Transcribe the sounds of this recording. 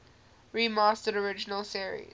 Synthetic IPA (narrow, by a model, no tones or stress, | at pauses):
ɹiːmɑːˑstəɾəɹɪd͡ʒɪnəlˠsiəɹḭ̥